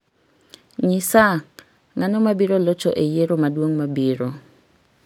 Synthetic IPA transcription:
ɲisa | ŋanomabiɾolɔt͡ʃɔʔejeɾomadwoŋmabiɾo

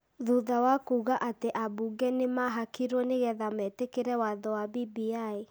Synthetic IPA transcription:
ðuðawakuɣaʔateʔabuɡɛnemaɦakiɾwɔneɣɛðamɛtekeɾɛwaðɔwabibiai

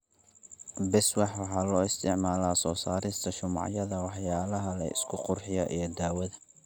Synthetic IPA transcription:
bɛswɑħwɑħɑːlɔːɪst̪ʰɪʕmaːlaːsɔːsaːɾɪst̪ʰɐʃʊmɑ̰ʕjɐðɐwɑħjaːlɐɦɐlɐ̰ɪ̰skʰʊqʊrħɪjɐʔijɞd̪aːwɐðɐ

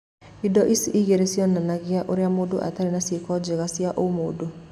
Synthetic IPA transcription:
idɔʔisiʔiɣeɾesjɔnanaɣjaʔoɾeamodoʔa̰taɾenasjekɔd͡ʒeɣasiaʔomodo

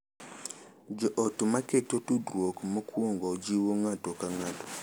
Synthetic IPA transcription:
d͡ʒɔʔotumaketotudɾwokmokwoŋɡɔd͡ʒiwoŋatokaŋato̥

